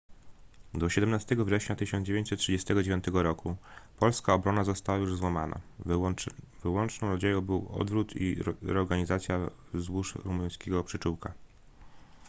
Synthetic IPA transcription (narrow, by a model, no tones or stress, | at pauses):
d̪ɔɕɛd̪ɛmnast̪ɛɡɔvʐɛɕɲat̪ɘɕɔnd͡ʑevjeɲt͡ɕ̪ʲsɛt̪̚tʂɘd͡ʑɛst̪ɛɡɔd͡ʑevʲjɔ̃nt̪ɛɡɔɾɔkupɔlskaɔbɾɔnazɔst̪awajuʐzwamana̰ | vɘwɔnt͡ʂnɔ̃w̃ɾɔd͡ʑejɔ̃w̃bɘwɔ̰d̪vɾut̪ʰḭɾɔɾɡaɲizat̪sʲja | zwuʂɾumuj̃skʲeɡɔpʂɘt͡ʂuwka